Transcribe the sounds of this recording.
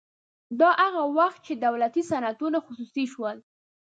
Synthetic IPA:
d̪ɑʔaɣawaxt̪̚t͡ʃed̪awlat̪isanat̪unaxʊsusiʃwəl

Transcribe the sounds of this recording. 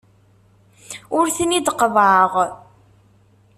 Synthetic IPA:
ʊɾθənid̪qəvʕəʁ

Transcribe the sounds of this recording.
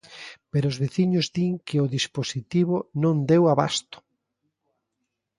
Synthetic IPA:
peɾoʊzβeθiɲʊzðiŋkɪʊðisposit̪iβonõnd̪ewaβa̰st̪ʊ̥

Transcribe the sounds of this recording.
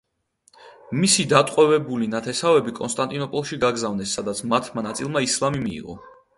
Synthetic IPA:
misid̪at̪ʼqʼwɛvɛbulinat̪ʰɛsavɛbikʼɔnst̪ʼant̪ʼinɔpʼɔlˠʃiɡaɡzavnɛsːad̪at̪sʰmat̪ʰmanat̪sʼilˠmaislˠamimiḭʁɔ̰

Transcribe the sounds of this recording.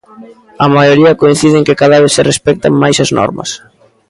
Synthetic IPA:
ɐmajoɾiɐkoin̟θiðeŋkɪkaðaβeθserespɛk̚t̪ɐ̰majsɐznɔ̰ɾmɐ̰s

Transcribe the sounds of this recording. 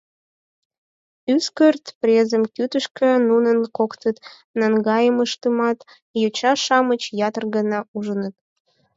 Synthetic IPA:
yskərt̪prʲezəmkyt̪əʃkə̆nunənkokt̪ət̪ | nɑŋɡɑjəməʃt̪əmɑt̪ | jut͡ɕɑʃɑmət͡ɕjɑt̪ərɡənɑuʒənət̪̚

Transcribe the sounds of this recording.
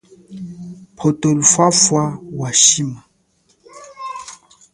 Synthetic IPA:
pʰotolufwafwawaʃima

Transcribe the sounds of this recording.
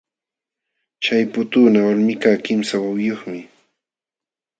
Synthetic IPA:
t͡ʃajpʊt̪uːnawalmɪkaːkɪmsawawjoχmɪ

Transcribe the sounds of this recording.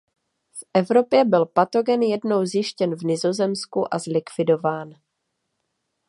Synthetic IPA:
fʔɛvɾo̞pjɛbɪlpat̪o̞ɡɛnjɛdno̞wzjɪʃcɛnvnɪzo̞zɛmskuʔazlɪkv̥ɪdo̞vaːn

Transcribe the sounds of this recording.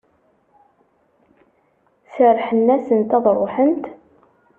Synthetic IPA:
səɾħənːæsənt̪æðˤɾˤoħənt̪

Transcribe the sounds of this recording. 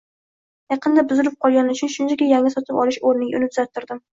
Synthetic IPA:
jɑqɨnd̪abʊzɪɾɪp̚qʰɒlˠɡʲanɪʊt͡ʃʰʊnʃʊnt͡ʃʰakʲajaŋasɒt̪ʰɪpɒlˠɪʃoɾnɪɡʲʊ̰nɪt̪ʰʊzat̪ʰːɪɾd̪ɪm

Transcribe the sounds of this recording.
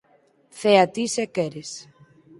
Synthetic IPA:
θeat̪isekɛɾes

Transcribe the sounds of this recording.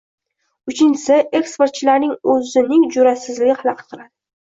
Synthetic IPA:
ʊt͡ʃʰɪnt͡ʃɪ̥sɪʔe̞kspe̞ɾt̪̚t͡ʃʰɪlaɾnɪŋɵzɪnɪŋd͡ʒʊɾasɪzlɪɡʲɪhalˠɑqʰɨt̪̚qʰɨɾad̪ɪ

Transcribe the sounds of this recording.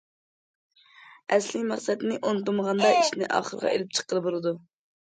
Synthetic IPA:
ɛslɪkʲmɑqsɛd̪nɪʔont̪uməʁɑnd̪ɑiʃnɪʔɑ̰ːχəɾʁɑ̰ʔelɪp̚t͡ʃʰə̥qːəlˠɨbolˠɨd̪u

